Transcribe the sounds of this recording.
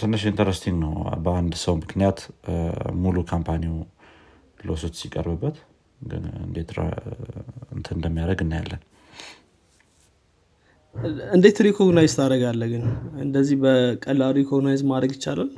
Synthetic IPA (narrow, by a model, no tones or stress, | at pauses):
t̪ʰɨnːəʃint̪ʰəɾəst̪ʰiŋɡnəwbəand̪səwmɨknijat̪ | mulukʰampʰaniw | losot͡ʃːsikʼə̰ɾbɨbːət̪ | ɡɨ̰ɨ̰nd̪et̪ɾ̰ | ɨnt̪ʰənd̪əmːijaɾəɡɨnːaja̰lːən | ɨnd̪et̪ʰɾikʰoɡnajzt̪ʰaɾəɡalːəɡɨnɨnd̪əzːihbəkʼəlaɾikʰoɡnajzmad̪ɾəɡjɪt͡ʃːalal